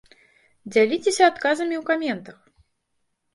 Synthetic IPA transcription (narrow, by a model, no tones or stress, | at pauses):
d͡zʲalʲit͡sʲesʲɐat̪kazɐmʲiwkamʲɛnt̪ɐx